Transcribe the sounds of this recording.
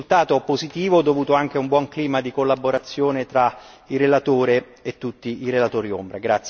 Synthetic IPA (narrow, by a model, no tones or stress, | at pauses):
ult̪aːt̪opozit̪iːvod̪ovuːt̪oaŋk̟eumbwɔŋkliːmad̪ikolːaboɾat̪sːjoːnet̪ɾairelat̪oːɾe | et̪ːut̪ːiiɾelat̪oːɾio̰mbɾaɡɾat̪s